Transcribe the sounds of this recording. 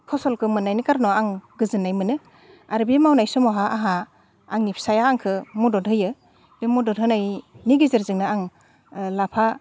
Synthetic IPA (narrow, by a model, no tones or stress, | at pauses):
kʰɔsɔlkʰɯmɯnajnɯkaɾnɔaŋɡɯzɯnajmɯnɯ | aɾbimawnajsɔmɔɦaʔaɦa | aŋnipʰsajaːŋkʰɯmɔdɔdʱʰɯjɯ | b̥emɔdɔdʱɯnajniɡizɯɾzɯŋnaaŋ | lapʰa